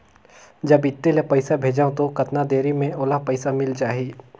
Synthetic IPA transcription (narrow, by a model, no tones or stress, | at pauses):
d͡ʒɐbɪt̪ːelepɐɪsabʱeːd͡ʒaːõt̪okɐt̪nad̪eːɾimẽoːlapɐɪsamɪld͡ʒaːɦiː